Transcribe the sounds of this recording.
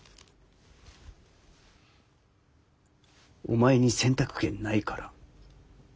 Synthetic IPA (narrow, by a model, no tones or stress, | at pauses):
o̞̰maeɲ̟isẽ̞nt̪akɯ̟̥kẽ̞nːaikaɾa